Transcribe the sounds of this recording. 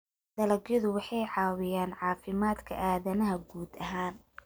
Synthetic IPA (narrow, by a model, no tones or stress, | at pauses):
d̪̥ɐlɐɡjɔðʊwɑħɑjʕɑːwɪjaːnʕɑːfɪmaːd̪kʰɐ̰ʔaːðɐnɐɦɐɡuːd̪ɐɦaːn